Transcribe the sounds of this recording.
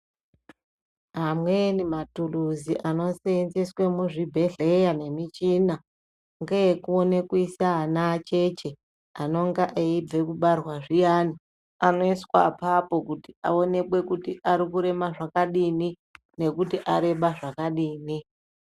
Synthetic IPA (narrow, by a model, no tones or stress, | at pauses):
ɦamwe̞nimatuluziʔano̞senziswemuʐibʱe̞ɮe̞jane̞mit͡ʃina | ŋɡajekuone̞kuisaanat͡ʃe̞t͡ʃe̞ | ano̞ŋɡaʔeib͡ve̞kuɓarwaʐijani | ano̞iswa̰papo̞kutia̰o̞ne̞kwe̞kutiʔaɾikuɾe̞maʐakaɗini | ne̞kutiʔaɾe̞ɓaʐakaɗiːni